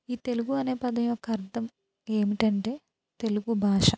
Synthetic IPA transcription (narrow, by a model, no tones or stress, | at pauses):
iːt̪e̞luɡuɐneːpɐd̪ɐjuokːɐɐɾd̪ʱɐm | e̞ːmiʈɐɳʈe̞ː | t̪e̞luɡubʱaːʂɐ